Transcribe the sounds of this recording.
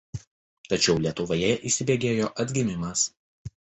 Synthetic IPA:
t̪ɐt͡ʃʲɛʊlʲiɛt̪ʊʋojɛʔiːsʲɪbʲeːɡʲeːjoːʔɐd̪ʲɡʲɪmʲɪmɐs

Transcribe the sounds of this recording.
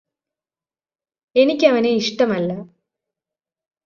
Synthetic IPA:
e̞nikʲːɐʋɐneiʂʈɐmɐlːɐ

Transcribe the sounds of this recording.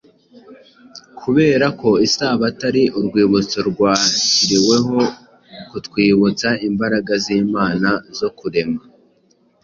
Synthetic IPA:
kʰuβe̞ːɾako̞isaːβataɾiʔuɾɡwiːβut͡soɾɡwaːciɾiwe̞ɦo̞ | kutwiːβut͡saimbaɾaɡaziːmaːnazo̞kuɾemɡa

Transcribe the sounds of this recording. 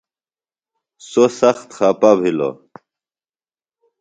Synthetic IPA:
sosɐxt̪xʰapabʱilo̰

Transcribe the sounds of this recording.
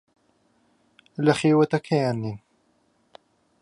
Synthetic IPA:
lɐxeːwɐt̪ɐkʰɐjaːnːiːn

